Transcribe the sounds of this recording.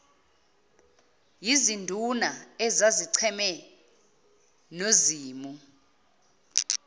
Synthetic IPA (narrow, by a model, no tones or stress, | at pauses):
jizindʱunaɛzaziǀʰɛmɛ | noziːmu